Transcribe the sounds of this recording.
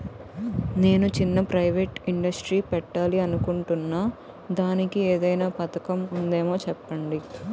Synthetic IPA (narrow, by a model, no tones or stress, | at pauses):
ne̞ːnut͡ʃinːɐpɾɐjʋeːʈiɳɖɐsʈɾiːpɛʈːaːliɐnukuɳʈunːaː | d̪aːnikieːd̪ɐjnaːpɐt̪ɐkɐmund̪e̞ːmo̞ːt͡ʃɛpːɐɳɖi